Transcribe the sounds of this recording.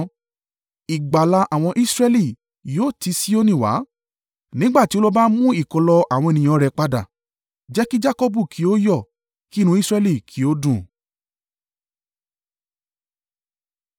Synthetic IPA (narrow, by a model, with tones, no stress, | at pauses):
i˨ɡ͡ba˨la˧ʔa˨w̃ɔ̃˧ʔi˦sɾɛ˦li˦˨ | jo˦˨ti˧˦si˦o˦nĩ˦˨wa̰˨˦ | nĩ˨˦ɡ͡ba˦˨ti˦o˦lɔ˦ba˦mũ˦i˦˨kɔ˧lɔ˧ʔa˨wɔ̃˧e˨nĩ˨j̃ɔ̃˧˨˦ɾɛ˧k͡pa˦da̰˦˨ | d͡ʒɛ˨˦ki˦d͡ʒa˦kɔ˦bu˦˨kʰi˨˦o˦jɔ˦˨ | ki˦˨nũ˧˦i˦sɾɛ˧li˦˨kʰi˨˦o˦dũ˦˨